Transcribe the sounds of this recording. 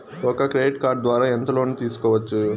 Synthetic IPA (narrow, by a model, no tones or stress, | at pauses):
ɔkɐkɾeiʈkaːɾɖ̚d̪ʋaːɾaːent̪ɐlo̞ːnut̪iːsu̥kɔːʋɐt͡ʃːu